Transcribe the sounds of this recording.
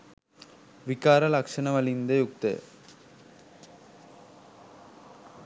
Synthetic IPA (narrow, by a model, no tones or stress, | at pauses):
ʋikaːɾɐlɐkʂɐnɐʋɐlind̪ɐjuk̚t̪ɐ̰